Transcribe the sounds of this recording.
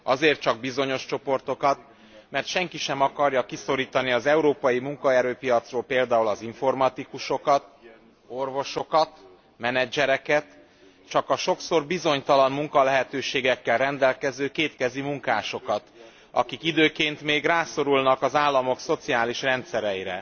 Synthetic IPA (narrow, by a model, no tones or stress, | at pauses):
ɒzeːrt̪t͡ʃɒɡ̚bizo̞ɲo̞ʃt͡ʃo̞po̞rt̪o̞kɒt̪ | mɛrt̪ʃɛŋkiʃɛmɒkɒrjɒkiso̞ɾiːt̪ɒniɒzɛuɾoːpɒjimuŋkɒɛɾøːpijɒt̪sroːlpeːld̪aːulɒziɱfo̞rmɒt̪ikuʃo̞kɒt̪̚ | o̞rvo̞ʃo̞kɒt̪ | mɛnɛd͡ʒɛɾɛkɛt̪ | t͡ʃɒkɒʃo̞kso̞rbizo̞ɲt̪ɒlɒmmuŋkɒlɛɦɛt̪øːʃeːɡɛkːɛlrɛnd̪ɛlkɛzøːkeːt̪kɛzimuŋkaːʃo̞kɒt̪ | ɒ̰kikid̪øːkeːnt̪meːɡraːso̞ɾulnɒkɒzaːlːɒmo̞kso̞t̪siaːliʃrɛnt̪sɛɾɛjiɾɛ̰